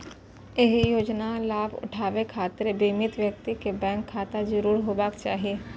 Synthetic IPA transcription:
eɦijoːd͡ʒnalaːbʊ̰ʈʰaːʋekʰaːt̪əɾbiːmɪt̪ʋjək̚t̪ikebɛ̃ːŋkʰːaːt̪azəɾuːɾɦoːbaːkt͡ʃaːɦieː

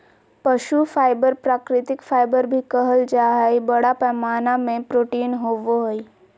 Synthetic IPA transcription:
pəʃufajbəɾpɾakɾɪt̪ikfajbəɾbʱikəɦəld͡ʒaɦajbəɽapɛmanamẽpɾoʈiːnɦoʋoɦoj

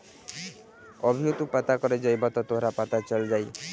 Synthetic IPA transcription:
ɔbʱiot̪upat̪akɔɾed͡ʒɔjbat̪ɔt̪oɦɾapat̪at͡ʃɔld͡ʒaj

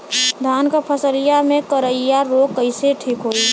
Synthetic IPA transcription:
d̪ʱaːnkapʰəsəlɪjamẽkəɾəɪjaɾoːkəɪseʈʰiːkɦoːiː

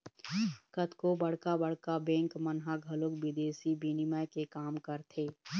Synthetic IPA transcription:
kət̪kobɐɽ̤kabɐɽ̤kabɛ̃ːŋkmənɦaɡʱɐlokbɪd̪eːsibʱinɪməjkekaːmkəɾt̪ʰeː

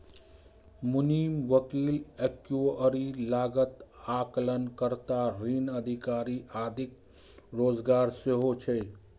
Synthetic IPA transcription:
mʊniːmʋəkiːlekjuoəɾilaːɡət̪aklənkəɾt̪aɾiːnəd̪ʱikaːɾiʔaːd̪ʱɪk | ɾoːd͡ʒɡaːɾseɦot͡ʃʰɛ

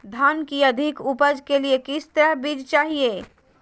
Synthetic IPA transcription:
d̪ʱaːnkiɐd̪ʱɪkupəd͡ʒkeliekɪst̪əɾəɦbiːd͡ʒt͡ʃaːɦieː

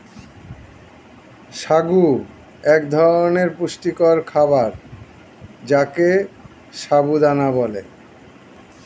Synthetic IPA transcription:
ʃaɡu | ɛkd̪ʱɔɾoneɾpuʃʈikɔɾkʰaβaɾ | d͡ʑake | ʃaɡud̪anabɔlḛ

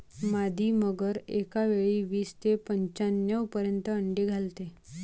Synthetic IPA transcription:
mad̪ʱiːməɡəɾekaʋeɭiːʋiːst̪epəɲt͡ɕanjəʋpəɾjənt̪əəɳɖeɡʱalt̪e

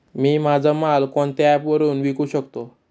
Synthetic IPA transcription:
miːmad͡zʱəmalkɔɳt̪jɛpʋəɾuːnʋikuːɕəkt̪o

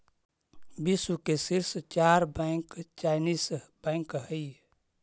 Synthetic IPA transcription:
bisukesiɾst͡ʃaɾbajŋkt͡ʃajnisbãjŋkɦəi

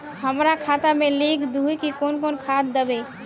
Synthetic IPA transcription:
həmɾakʰat̪amelikd̪ʱujkikonkonkʰat̪̚d̪əbe

